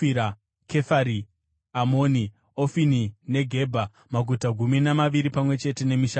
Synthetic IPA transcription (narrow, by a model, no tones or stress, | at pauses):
iɾa | kʰe̞faɾi | amoni | ofinine̞ɡʱe̞bʱa | maɡʱutaɡʱuminamaʋiɾipamwe̞t͡ʃe̞te̞ne̞miʃa